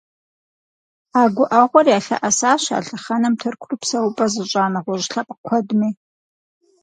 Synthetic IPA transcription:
aːɡʷʊʔɐʁʷɔrjaːɬɐ̰ʔɐsaːɕa̰ːɬɨχɐnɐmtʰɨrkʷʰrupsɐwpʼɐzɨɕʷʼaːnɐʁʷɔʒɬɐpʼkʷʰɔdmiː

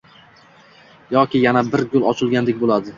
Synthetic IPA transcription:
jɒkʲɪjanabɪɾɡʲʊlˠɒt͡ʃʰɪlˠɡʲand̪ekʲbolˠad̪ɪ

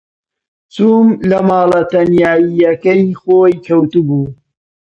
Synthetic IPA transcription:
t͡suːmlɐmaːlɐt̪ɐnjaːijɐkɐjxoːjkʰɐwt̪ubuː

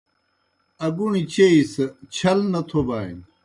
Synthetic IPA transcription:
ɐɡuɳ̃it͡ɕeist͡ɕʰɐlnɐt̪ʰobaːḭn

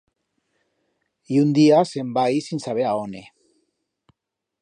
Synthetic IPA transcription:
iund̪iase̞mbajisinsaβeaone

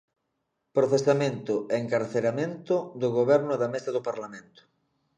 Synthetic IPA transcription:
pɾoθesamẽnt̪ʊeŋkaɾθeɾamẽnt̪ʊd̪ʊɣoβɛɾnʊðamesaðʊpaɾlamẽnt̪ʊ̥

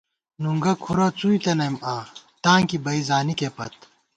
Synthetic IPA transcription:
nuŋɡɐkʰuɾɐt͡suit̪enɐmaːt̪ãːŋkibɐizaːnikepɐ̰t̪̚

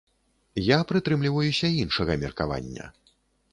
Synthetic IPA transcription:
japɾɨt̪ɾɨmlʲivɐjusʲɐinʂɐɣɐmʲɛrka̰va̰nʲːɐ̰

